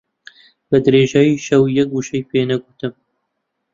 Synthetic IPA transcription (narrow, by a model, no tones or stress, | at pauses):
bɐd̪ɾeʒajiʃɐwjɐk̚ɡuʃɐjpʰenɐɡut̪ɨm